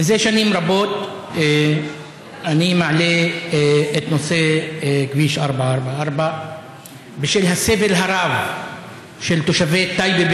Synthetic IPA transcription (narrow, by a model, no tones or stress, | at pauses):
zeːʃaniːmɾˤɑboːt̪ː | ʔanimaʕleː | ʔɪt̪nosˤeːkbiːʃʔɑɾˤbʕaʔɑɾˤbaʕaʔɑɾˤba | bɪʃeʔlhaseːvɪlɦɑɾˤɑːv | ʃɪlt̪uʃaveːt̪ːajbi